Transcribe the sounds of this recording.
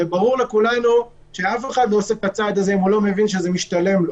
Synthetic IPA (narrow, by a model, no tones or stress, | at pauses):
ebaʁuʁle̞kulanu | ʃe̞afe̞χad̪nosefkbat͡sad̪azeimulo̞me̞vinʃ̬eze̞miʃt̪ale̞mlo